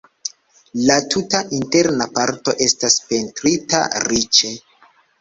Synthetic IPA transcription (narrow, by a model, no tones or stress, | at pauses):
latʰutaʔinte̞ɾnapaɾto̞ʔe̞staspe̞ntɾita̰ɾit͡ʃe̞